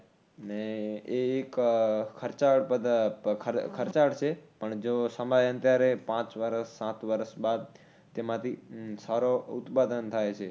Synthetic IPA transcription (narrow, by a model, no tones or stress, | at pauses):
əneeːkkʰːəɾt͡ʃaɽpəd̪kʰəɾkʰəɾt͡ʃaɽt͡ʃʰepəɳd͡ʒosəmajə̃nt̪jaɾepãt͡ʃʋəɾəsːãt̪ʋəɾəsbad̪̚ | t̪emãt̪ʰisaɾout̪pad̪ənt̪ʰajt͡ʃʰe